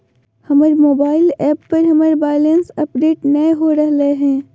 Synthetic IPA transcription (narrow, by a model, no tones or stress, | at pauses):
hɐməɾmoːbaːɪlɛːpːɐɾɦɐməɾbaːɪlensɐpɖeːʈnɐeɦoɾɐɦləeɦɛ̃ː